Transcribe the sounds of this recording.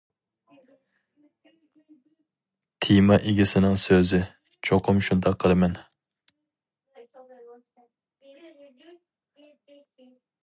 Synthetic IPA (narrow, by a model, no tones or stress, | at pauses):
t̪ʰijmɑʔeɡʲɪsɪnɪŋsøzɪ | t͡ʃʰoqʰʊmʃund̪ɑqʰːəlˠɨmɛn